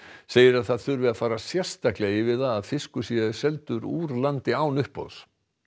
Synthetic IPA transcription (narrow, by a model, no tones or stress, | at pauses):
seːjɪɾaðθaðθʏɾvɪðafaːɾasjɛ̥st̪ahklɛɪvɪðaðːðfɪskʏsiːðaðɪsɛlt̪ʏɾṵːɾlant̪ɪaːwnʏhpo̰ðs